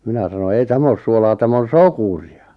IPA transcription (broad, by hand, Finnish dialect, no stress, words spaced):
minæ sɑno ei tæm oːs suolɑː tæmˑ on̞ sokuriɑ